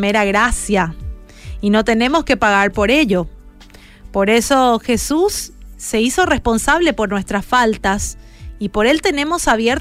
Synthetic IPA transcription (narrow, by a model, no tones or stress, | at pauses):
meɾaɣɾasja | ino̞t̪e̞ne̞mo̞ske̞paɣaɾpo̞ɾe̞ʎo̞ | po̞ɾe̞so̞xe̞susːe̞iso̞re̞spo̞nsaβle̞po̞ɾnwe̞st̪ɾasfalt̪as | ipo̞ɾe̞lt̪e̞ne̞mo̞saβ̞je̞ɾ